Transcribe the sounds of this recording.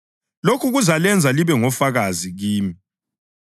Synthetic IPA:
lokʰuɣuzalɛnd͡zʱaliβɛŋɔfaɣaziɣiːmi

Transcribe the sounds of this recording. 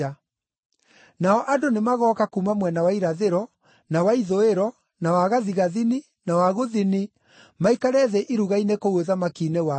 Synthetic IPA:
a | naɔʔadonemaɣɔːkakumamwɛnawaiɾaðeɾɔ | nawaiðoeɾɔ | nawaɣaðiɣaðini | nawaɣoðini | maikaɾɛðɛʔiɾuɣainekoɣweðamakinewa

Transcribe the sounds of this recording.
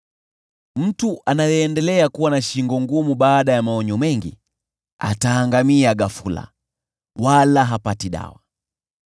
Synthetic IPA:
m̩tuʔanajɛːndɛlɛakuwanaʃiŋɡɔŋɡumubaːɗajamaɔɲɔmɛŋɡḭ | a̰taːŋɡamiaɡafula̰ | walaɦapatiɗa̰wa

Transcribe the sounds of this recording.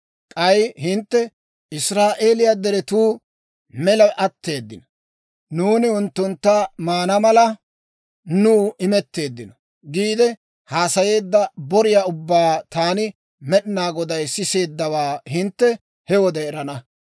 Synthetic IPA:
kʼɐjhɪnt̪ːɛ | ɪsɾaːʔe̞ːlɪjad̪ɛɾɛt̪uː | mɛlɐʔɐt̪ːe̞ːd̪ːɪnɔ | nuːnɪʊnt̪ːʊnt̪ːɐmaːnɐmɐlɐ | nuːɪmɛt̪ːe̞ːd̪ːɪnɔ | ɡiːd̪ɛ | haːsɐje̞ːd̪ːɐbɔɾɪjaʊbːaːt̪aːnɪ | mɛɗɪnaːɡɔd̪ɐjsɪse̞ːd̪ːɐwaːhɪnt̪ːɛ | hɛwɔd̪ɛɛɾɐnɐ

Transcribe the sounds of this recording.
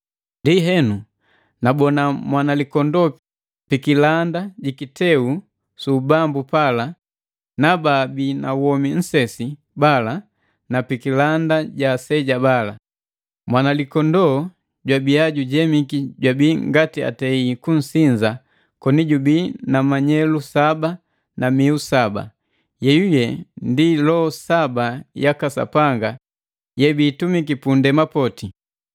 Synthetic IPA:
ndiɦɛnu | nabɔnamwanalikɔndɔ | pikilandaɟikitɛu | subambupala | nababina̰wɔmin̩sɛsi | bala | napikilandaɟasɛɟabala | mwanalikɔndɔ | ɟwabiaɟuɟɛmikiɟwabiːŋɡatia̰tɛikun̩siɲza | kɔniɟubinamaɲɛlusaba | namiusaba̰ | jɛjujɛndilɔɔsabajakasa̰paŋɡa | jɛbiːtumikipundɛmapɔti

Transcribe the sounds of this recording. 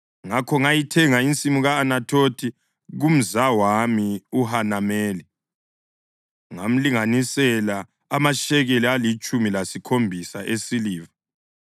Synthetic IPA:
ŋakʰɔŋajitʰɛŋaint͡sʼimuɣaːnatʰotʰi | ɣum̩zawamiuɦanamɛːli | ŋam̩liŋanisɛlaː | maʃɛɣelialit͡ʃʼumilasikʰombʱisaʔesiliːva

